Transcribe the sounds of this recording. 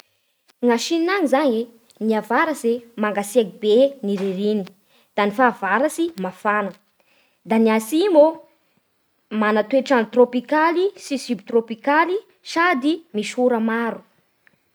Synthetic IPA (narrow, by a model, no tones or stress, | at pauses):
ŋaʃininaŋizaɲe | niavaɾəsemaŋɡasiakibeniɾeɾini | d̪̥anifaːvaɾasimafanə | d̪aniasimo | manat̪ueʈ͡ʂanit̪ropikalisisybit̪ropikali | ʃad̪imiʃuɾəmaɾu